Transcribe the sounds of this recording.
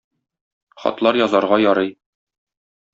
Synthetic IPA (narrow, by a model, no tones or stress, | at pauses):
χɒ̰t̪lˠɑɾjɒzɑɾʁɑjɒɾɤj